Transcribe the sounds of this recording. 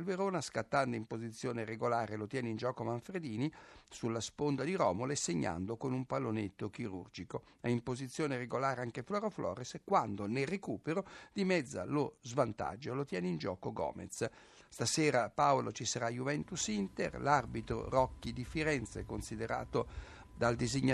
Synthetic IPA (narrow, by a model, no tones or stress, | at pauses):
lveɾoːnaskat̪ːand̪oimpozit̪sːjoːneɾeɡolaːɾelot̪jɛːneind͡ʒɔːkomaɱfɾed̪iːnisulːaspond̪ad̪iɾɔːmoleseɲːa̰nd̪okonumpalːonet̪ːokiɾṵrd͡ʒiko | ɛimpozit̪sːjoːnereɡolaːɾeaŋkeflɔɾoflɔ̰ːɾeskwand̪onerekuːpeɾod̪imɛd̪zːa̰lozvant̪a̰d͡ʒːolot̪jɛːneind͡ʒɔːkoɡɔ̰ːmḛt̪s | st̪asɛːɾapaolot͡ʃisaɾajuvɛnt̪usint̪ḛrlarbit̪ɾo̰rɔkːid̪ifiɾɛnt̪sḛkonsid̪eɾa̰ːt̪o | d̪ald̪iziɲːa